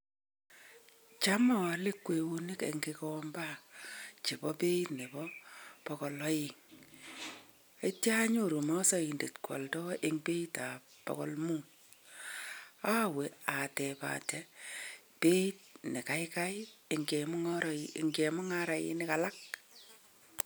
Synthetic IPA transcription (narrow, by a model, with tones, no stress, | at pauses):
t͡ʃa˦mɔ˨lɪ˦kwe˨wu˦ni˦kḛ˨ŋɡe˧kɔ˦mba˦t͡ʃi˨bɔ˦pe˦i˦tne˨bɔ˦pɔ˨kɔ˨lɔ˦ji˨ŋ | e˦tja˦ɲo˦˨ɾu˨mɔ˦sɔ˦i˨nde˨tkwɔ̰˨ltɔ˦ʔe˦ŋpe˦ita˨pɔ̰˨kɔ̰˨lmu˦ | a˦we˨a˨tɛ˨pa̰˨tɛ | pe˦i˦t̚ne˨ka˨˦jka˦je˨ŋɡe˨mʊ˦ŋɔ˦ɾŋɡe˨mʊ˦ŋa˦ɾa˨jɪ̰˦nɪ˦ka˨la˦k̚